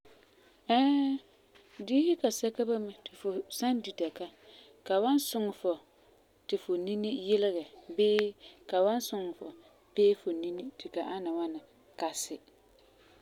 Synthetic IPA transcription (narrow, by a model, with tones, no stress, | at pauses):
ɛː˦ | diː˦hɪ˦ka˨sɛ˦ka˦ba˦mɪ˨tʰɪ˨fʊ˨sa˦ndi˨ta˨ka˦ | ka˨wa˦nsʊ˨ŋ˨fɔ˨ | tɪ˨fʊ˨ni˦ni˦jɪ˦lɪ˦ɣɛ˨bɪː˦ka˨wa˦nsʊ˨ŋ˨fɔ̰˨ | peː˦fʊ˨ni˦ni˦tʰɪ˨ka˨ʔa˦na˨wa˦nɪ˨ | ka˨sɪ˦